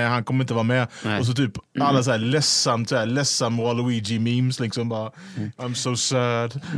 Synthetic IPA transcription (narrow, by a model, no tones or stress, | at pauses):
ɛhankʰɔməɾɪnt̪əvɑːmɛːɔs̬ɔt̪ʰyːpalːas̬æːlɛsant̪ʰæːlɛsəmwalʊwiːd͡ʒɪmiːmslɪksɔ̃mbɑːãɪ̃msoʊsɜːd